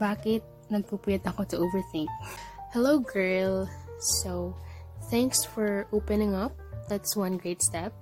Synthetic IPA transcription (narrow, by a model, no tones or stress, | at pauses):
baːkɪt̪̚ | nɐɡ̚pupujɐt̪ɐkosɐʔovɛɹθɪŋk̚hɛloʊɡɛɹlso | θæ̃ŋksfɔɹʔoːpɛnɪ̃ŋʌp̚d̪at̪swʌ̃nɡɹeɪt̪st̪ɛp̚